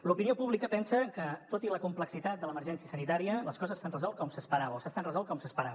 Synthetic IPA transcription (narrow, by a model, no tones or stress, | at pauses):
lupiniopuβlikəpɛnsəkət̪ot̪iləkumpləksit̪at̪d̪ələməɾʒɛnsiəsənit̪aɾiələskɔzəzːst̪anrəzɔlˠt̪̚kɔmsəspəɾaβəosast̪anrəzɔlt̪̚kɔmsəspəɾaβ